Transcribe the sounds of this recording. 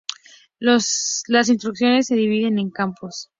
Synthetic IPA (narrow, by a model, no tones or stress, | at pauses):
loslas̬inst̪ɾuksjo̞nesːe̞ðiβ̞iðe̞ne̞ŋkampos